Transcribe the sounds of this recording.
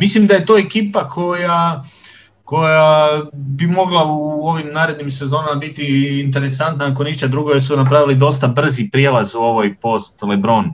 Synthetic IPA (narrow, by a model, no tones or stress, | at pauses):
mislimd̪aje̞t̪o̞e̞kiːpakʰo̞ja | ko̞jabimo̞ɡlˠauoʋimnaːɾe̞d̪nimse̞zo̞ːnamabit̪iːnt̪̬e̞ɾe̞sant̪naako̞niʃt̪ad̪ɾuɡojesunap̬ɾaʋilid̪o̞st̪abr̩zipɾjelazuo̞ʋojpo̞st̪lebɾo̞n